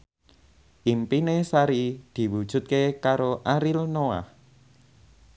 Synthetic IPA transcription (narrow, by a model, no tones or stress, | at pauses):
ʔimpinesaɾid̪̥i̤wud̥ʒ̥ṳt̪̚kekaɾoʔaɾilnoa̰h